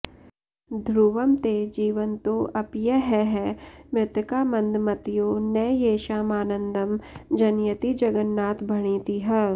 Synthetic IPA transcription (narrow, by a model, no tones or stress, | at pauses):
d̪ʱɾuːʋəmt̪ed͡ʒiːʋənt̪oʔɐpjɛɦɛɦɛmɪt̪kaːmɐ̃nd̪mɐt̪ijoːnɛːjeːʃaːmaːnə̃nd̪ʱəmd͡ʒɐnjət̪id͡ʒɐɡənːaːt̪bʱɐɽ̃iːt̪iɦɛː